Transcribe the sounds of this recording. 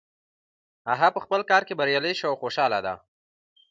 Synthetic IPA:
aɦapəxpəlkɑɾkebaɾjɑləjʃawxoʃɑla̰d̪a̰

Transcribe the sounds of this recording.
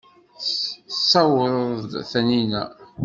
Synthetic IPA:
sːɑwəɾˤðd̪θæninæ̰

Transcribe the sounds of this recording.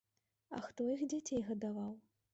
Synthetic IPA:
ɐ̰xt̪ɔixd͡zʲat͡sʲejɣɐd̪avaw

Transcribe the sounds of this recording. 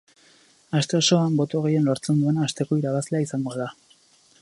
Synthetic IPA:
ast̪e̞oso̞ambo̞t̪oɣejenlo̞ɾt͡se̞nd̪ue̞naːst̪e̞ko̞iɾaβazle̞aisaŋɡo̞ða

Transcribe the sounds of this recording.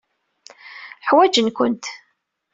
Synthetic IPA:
ħwæd͡ʒənkʷʊnt̪

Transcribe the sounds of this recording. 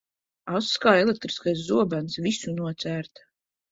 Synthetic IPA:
awsskaːɛlek̚t̪ɾi̥skajs̬zuɔbansvisunuɔt̪sæːɾt̪ḁ

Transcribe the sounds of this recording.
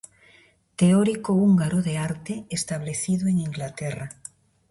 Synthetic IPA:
t̪eɔɾikouŋɡaɾoðeaɾt̪eest̪aβ̞leθiðoeŋiŋɡlat̪ɛra

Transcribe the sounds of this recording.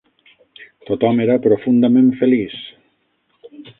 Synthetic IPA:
t̪ot̪ɔmeɾapɾofund̪amẽɱfelis

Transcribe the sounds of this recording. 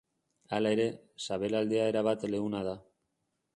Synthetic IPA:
alae̞ɾe̞saβe̞lald̪e̞ae̞ɾaβ̞at̪le̞ɣunaða

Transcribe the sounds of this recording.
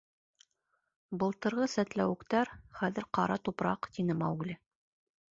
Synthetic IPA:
bɤ̆lˠt̪ɤ̆ɾʁɤsæt̪læwɘ̆kt̪æɾχæðɘ̆ɾqɑɾɑt̪upɾɑqt̪inɘmɑwɡlʲɘ

